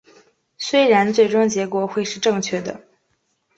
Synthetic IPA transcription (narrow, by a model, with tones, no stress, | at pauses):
swe˥ɪɻa˧˥nt͡swe˥˩ɪʈ͡ʂʊ˥ŋt͡ɕjɛ˧˥kwɔ˧˩˥xwe˥˧ɪʂɻ̩˥˧ʈ͡ʂɤ˥˧ŋt͡ɕʰɥɛ˥˩d̪ə̰˩